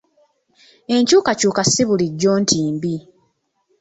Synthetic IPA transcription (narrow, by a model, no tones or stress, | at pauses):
e̞ɲcuːkacuːkasiβuliɟːo̞ːntʰiːmbi